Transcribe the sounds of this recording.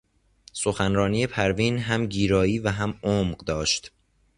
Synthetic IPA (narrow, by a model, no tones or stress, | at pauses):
so̞xænɾɒːniːe̞pʰæɾviːnɦæmɟiːɾɒːiːvæɦæmoːmɢd̪ɒːʃt̪